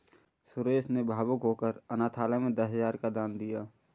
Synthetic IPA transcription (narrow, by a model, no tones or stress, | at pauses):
sʊɾeːsnebʱaːbʊkɦoːkəɾənaːt̪ʰaːlamẽd̪əsɦəzaːɾkad̪aːnd̪ijaː